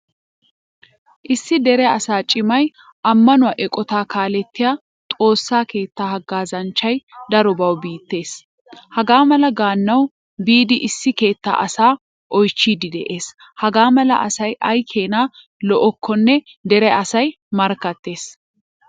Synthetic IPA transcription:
ʔɪsːɪd̪ɛɾɛɐsaːt͡ʃʼɪmɐj | ʔɐmːɐnʊaʔɛkʼɔt̪aːkaːlɛt̪ːɪjaː | t̪ʼo̞ːsːaːke̞ːt̪ːaːhɐɡːaːzɐnt͡ʃːɐjd̪ɐɾɔbɐwbiːt̪ːe̞ːs | hɐɡaːmɐlɐɡaːnːɐw | biːd̪ɪʔɪsːɪke̞ːt̪ːa̰ːʔɐsaː | ʔɔjt͡ʃːiːd̪ɪd̪ɛʔe̞ːs | hɐɡaːmɐlɐ̰ʔɐsɐjʔɐjkʰeːnaː | lɔʔɔkʰːɔnːɛ | d̪ɛɾɛɐsɐj | mɐɾkːɐt̪ːe̞ːs

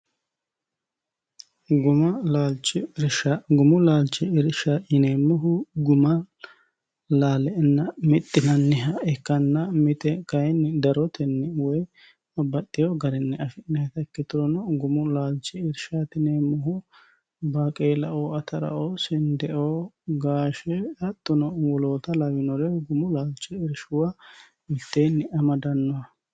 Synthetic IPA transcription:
ɡʊmɐlaːlt͡ʃːɪɾʃaɡʊmʊlaːlt͡ʃʼːɪɪɾʃaːɪneːmʊɦʊɡʊmɐ | laːlɛnːɐmɪt̪ʼːɪnɐnːɪɦɐɛkːɐnːɐmɪt̪ɛkɐjnd̪ɐɾɔt̪ɛnːɛwɔj | ɐbːɐt̪ʼːɪjoɡɐɾɛnːɛɐfɪnɛhɐt̪ɐkːɪt̪ʊɾɔnɔɡʊmʊlaːlt͡ʃːɛɪɾʃat̪ɪnɛmʊhʊ | baːkʼeːlɐʔoːɐt̪ɐɾɐ̰ʔoːsɪnd̪ɛʔoːɡaːʃɛɐt̪ʼːʊnɔwɔloːt̪ɐlɐwɪnɔɾɛɡʊmʊlaːlt͡ʃːɛɪɾʃʊwa | mɪt̪ːejnːɪʔɐmɐd̪ɐnːɔɐ

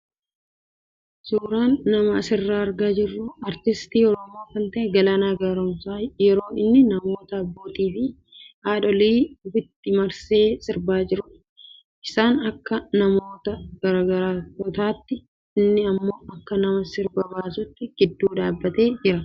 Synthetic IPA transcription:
suːɾaːnːɐmɐɐsɪrːaːɐɾɡaːd͡ʒɪrːʊɐɾt̪ɪst̪iːɔɾɔmo̞ːkɐnt̪ɐʔɛɡɐlɐnaːɡɐɾɔmsaːjɛɾo̞ːɪnːɪnɐmo̞ːt̪ɐɐbːo̞ːt̪iːfɪ | aːᶑɔliːʊfɪt̪ːɪmɐɾse̞ːsɪɾbaːd͡ʒɪɾʊ | ʔɪsaːnɐkːɐnɐmo̞ːt̪ɐɡ̥ɐɾaːɡɐɾaːtɔt̪aːt̪ːɪ | ɪnːɪɐmːo̞ːɐkːɐnɐmɐsɪɾbɐbaːsʊt̪ːɪɡ̥ɪd̪ːuːᶑaːbːɐt̪e̞ːd͡ʒɪɾɐ

